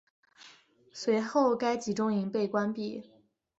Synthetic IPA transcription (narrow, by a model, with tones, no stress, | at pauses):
swe˧˥ɪxo˥˩ʊka˥ɪt͡ɕi˨˩ʈ͡ʂʊ˥ŋi˧˥ŋpe˥˩ɪkwa˥npi˥˩